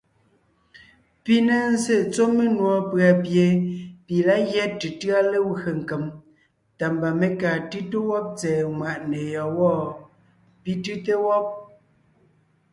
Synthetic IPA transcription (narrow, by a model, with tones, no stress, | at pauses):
pi˦ne˦n̩˦se˦˨t͡so˦me˦nwɔ˨pɰa˨pje˨pi˨la˦ɣjɛ˦ti˨tɰa˦le˦we˨ŋ̩˨ke˨m | ta˨mba˨me˨kaː˨tɯ˦te˦wɔ˦p̚t͡sɛː˨ŋwa˨ʔne˨jɔ˨wɔ˦˨ | pi˦tɨ˦te˦wɔ˦p̚